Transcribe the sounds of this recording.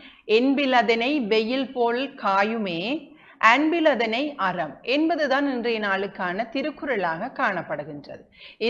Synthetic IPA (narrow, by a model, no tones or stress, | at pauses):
ɛnbɪlɐðɐnɐɪʋɛjɪlpoːɭkaːjɯmeː | ʔɐnbɪlɐðɐnɐɪʔɐrɐmʔɛnbɐðɯðaːnɪndreːnaːɭɯkːaːnɐt̪ɪɾɯkːɯɾɐɭaːɣɐkːaːɳɐpːɐɽɯɣɪndrɐ̰ðɯɪ